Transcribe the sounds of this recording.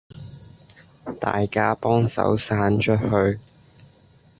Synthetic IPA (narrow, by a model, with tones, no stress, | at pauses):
t̪a̰ː˨jkaː˥pɔː˥ŋsɐ̰˨˥wsaː˨˥nt͡ʃʰɵ˥t̚hɵ˧ɥ